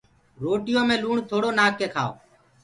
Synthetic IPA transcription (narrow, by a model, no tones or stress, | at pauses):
ɾoːʈɪjõːmẽːluːɳt̪ʰoːɽoːnaːkːeːkʰaːo̰ː